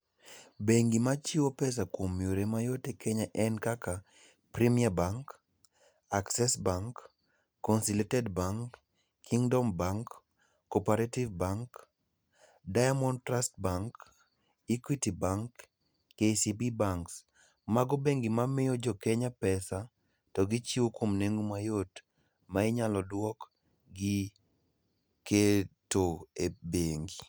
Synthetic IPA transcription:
beŋɡimat͡ʃɪwopɛs̬akwomjoɾemajotekʰɛɲaʔɛnkaka | pɾimiabaŋk | aksɛsbaŋkː | ɔnsiletɛdbaŋkː | iŋdɔmbaŋkː | ɔpaɾativbaŋk | dajamɔntɾastbaŋk | ikwitibaŋkː | esibibaŋks | maɡɔbeŋɡimamɪjɔd͡ʒɔkeɲapɛsa | tɔɡit͡ʃiwokomneŋumajot | maɪɲalɔdwɔk | ɡɪ | ketoebeŋɡi

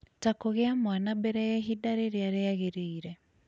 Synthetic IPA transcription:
takoɣeamwanabɛɾɛjɛɦidaɾeɾjaɾeaɣeɾiːɾɛ

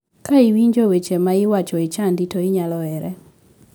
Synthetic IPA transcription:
kaɪwiɲd͡ʒowet͡ʃemaɪwat͡ʃɔɪt͡ʃanditoɪɲalɔɛɾɛ

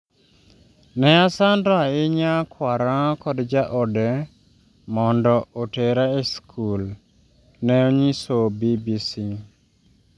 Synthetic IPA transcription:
nɛasandɔaɪɲakwaɾakɔdd͡ʒaʔɔdɛ | mɔndɔoteɾaeskʰul | nɛɔɲisobibisi

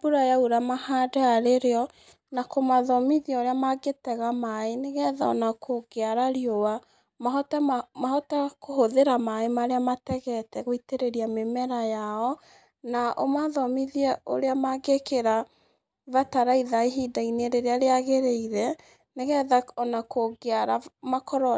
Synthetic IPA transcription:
buɾajauɾamahadaaɾeɾeɔ | nakomaðɔmiðiaoɾeamaɡetɛɣamaeneɣɛða̰ɔ̰nakʰoɡeaɾaɾiowa | maɦɔtamaɦɔtakoɦoðeɾamaemaɾeamatɛɣɛtɛɣoiteɾeɾiamemɛɾajaɔ | naʔomaðɔmiðiɛo̰ɾeamaɡekeɾa | vataɾaiðaiɦidaineɾeɾeaɾeaɣeɾeiɾɛ | neɣɛðaɔnakoɡeaɾamakɔɾɔ

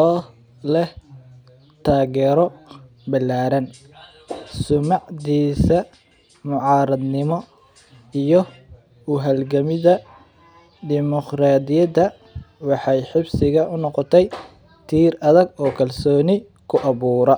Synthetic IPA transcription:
ɔː | lɛh | t̪ʰaːɣɛːɾɔ | bɐlːaːɾɐn | sʊmɑʕdiːsɐ | mʊʕɑːɾɐd̪nɪmɔ | ijɔ | ʊɦɐlɡɐmɪðɐ | d̪ɪmɔqɾaːd̪ɪjɐðɐ | wɑħɑjħɪbsɪɣɐʊnɔqɔt̪ʰɛj | t̪ʰiːrɐðɐɡɔːkʰɐlsɔːnɪ | kʰʊʔɑβuːɾɐ

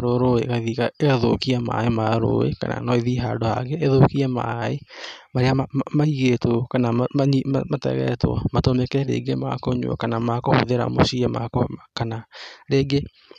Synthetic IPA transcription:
ɾoɾoeɣaðiɣaeɣaðokiama̰emaɾo̰ḛka̰na̰nɔiðiɦadohaɣeʔːðokiɛma̰emaɾeamamaiɣetokanaaaɲmamatɛ̰ɣɛ̰tʰwa̰matomekɛɾḛːɡema̰koɲo̰a̰kanamakoho̰ðeɾa̰mo̰ɕiɛma̰kokanaɾeːɡe

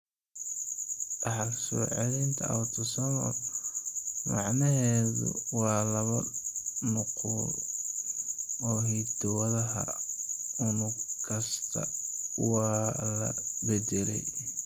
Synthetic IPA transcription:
ʔɑħlsɔ̰ːʕɛlint̪ʰɐʔɐ̰wt̪ʰɔsɐmɐ̰ | mɑʕnɐɦɛːðʊ̰wɑːlɐβɐnʊqʊ | ɔːɦid̪ɔwɐðɐɦɐ̰ | ʊnʊkʰɐst̪ʰɐ̰wɑːlɐ̰bɛd̪ɛlɛ̰j

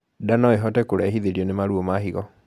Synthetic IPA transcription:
danɔeɦɔtɛkoɾahiðeɾiɔnemaɾuɔmaɦiɣɔ

